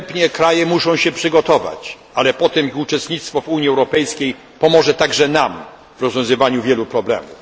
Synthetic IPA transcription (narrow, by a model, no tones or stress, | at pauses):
pɲɛkɾajɛmuʂɔ̃w̃ɕɛpʂɘɡɔt̪ɔva̰t͡ɕ | alɛpɔt̪ɛmut͡ʂɛst̪ɲit̪st̪fɔvuɲiɛwɾɔpɛjskʲej | pɔmɔʐɛt̪aɡʐɛnam | vɾɔzvʲjɔ̃w̃zɘvaɲuvʲjɛlupɾɔblɛ̰muf